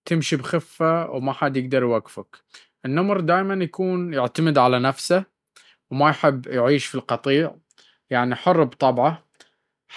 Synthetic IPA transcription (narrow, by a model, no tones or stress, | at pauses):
t̪ɪmʃibxɪfːawmaħad̪jɪɡd̪ɑɾˤjwaɡfak | ʔɪnːʊmɾˤd̪aːjmanjakuːnjɪʕt̪amɪd̪ʕalanafsa | wmajħɪbːjʕiːʃfilqɑt̪ˤiːʕ | jaʕniħʊrˤːbt̪ˤɑbʕa